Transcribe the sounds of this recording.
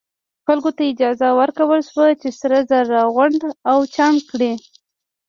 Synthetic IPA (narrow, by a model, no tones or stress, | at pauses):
xalɡot̪aɪd͡ʒɑzawəɾkawəlʃwat͡ʃesɾazaɾːɑɣʊɳɖ̪awt͡ʃɑŋkɽi